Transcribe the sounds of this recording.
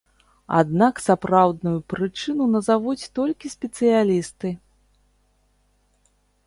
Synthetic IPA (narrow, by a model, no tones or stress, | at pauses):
a̰d̪naksapɾawd̪̚nujupɾɨt͡ʂɨnunɐzavut͡sʲt̪ɔlʲkʲisʲpʲɛt̪sɨjalʲist̪ɨ